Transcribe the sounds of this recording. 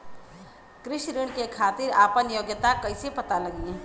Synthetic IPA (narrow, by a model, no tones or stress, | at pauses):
kɾɪʃɾɪɳkekʰaːt̪ɪɾaːpənjoːɡjət̪akɐisepɐt̪alɐɡiẽ